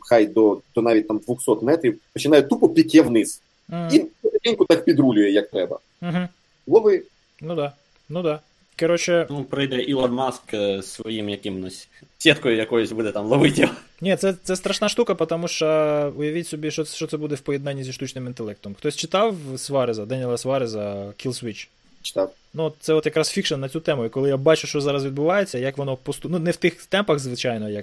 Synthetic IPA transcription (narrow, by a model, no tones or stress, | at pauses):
xajd̪ɔd̪ɔnɑʋʲit̚ʲt̪amd̪ʋʊxsɔt̪mɛt̪ɾʲiwpɔt͡ʃɪnɑjʊt̪upɔpʲikʲɛwnɪs̩ | ɦ̩inɛɾet̪ʲinʲkʊt̪ɑk̚pʲid̪ɾulʲʊjɛjɐk̚t̪ɾɛbɐ̰ | m̩ɦm̩ | lˠɔʋɪ | nud̪ɑ | nud̪ɑ | kɐɾɔt͡ʃɪnupɾɪjd̪ɛʔilˠɔnmɑsksʋɔjimjɐkɪmnɔsʲsʲɛt̪kɔjʊjɐkɔjʊsʲbud̪ɛt̪ɑmlˠɐʋɪtʲiw | nʲit̪sɛt̪sɛst̪ɾɐʃnɑʃt̪ukɐpɔt̪ɐmuʃt͡ʃɐʊjɐʋʲitʲsʲɔbʲiʃɔʃt͡ʃɔt̪sɛbud̪ɛwpɔjɛd̪nɑnʲːizʲiʃt̪ut͡ʃnɪmint̪ɛlˠɛk̚t̪ɔmxt̪ɔsʲt͡ʃɪt̪ɑwsʋɑɾɪzɐd̪ɛnʲilˠɐsʋɑɾɪzɐkʲilˠsʋʲit͡ʃ | t͡ʃt̪a | nuɔt̪t̪sɛɔt̪jɐkɾɑsfʲikʃɐnːɐt͡sʲut̪ɛmʊikɔlˠɪjabɑt͡ʃʊʃt͡ʃɔzɑɾɐsʋʲid̪̚bʊʋɑjet͡sʲːɐjɐkʋɔnɔpɔst̪ununɛwt̪ɪxt̪ɛmpɐɣzʋɪt͡ʃɑjnɔjɐk